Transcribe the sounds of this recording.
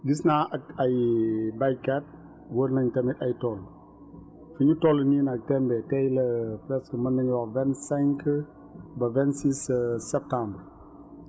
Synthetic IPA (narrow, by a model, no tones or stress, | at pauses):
ɡisnaɐɐjbajkɛt̚ | wəɾnɐɲtɛmitɐjtɔl | fuɲutɔlninɐk̚tɛmbɛtɛjlɐfɾɛskəmɐnːɐɲwavɛnsɛŋkə | bɐvɛnsissɛp̚tãmbɾ